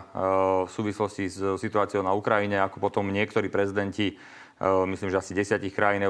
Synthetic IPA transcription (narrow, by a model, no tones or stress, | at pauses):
fsuːʋislɔscissit̪ʊaːt͡siɪɔʊnaukɾajiɲɛakɔpɔt̪ɔmɲɪɛkt̪ɔɾiːpɾɛzid̪ɛnci | misliːmʒɛasiɟɛsɪacixkɾajinɛ